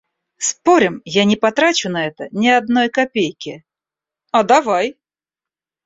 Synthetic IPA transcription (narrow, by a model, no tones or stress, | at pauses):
spoɾʲɪmjanʲɪpɐt̪ɾat͡ɕʊnɐɛt̪ənʲɪɐd̪̚nojkɐpʲejkʲɪ | ɐd̪ɐvaj